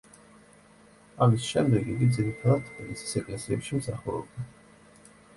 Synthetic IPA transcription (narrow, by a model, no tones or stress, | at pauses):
amisʃɛmd̪ɛɡiɡ̪id̪ziɾit̪ʰad̪at̪ʰmilisi̥sɛkʼlɛnsiɛpʃimsaχuɾɔ̰bd̪ɛ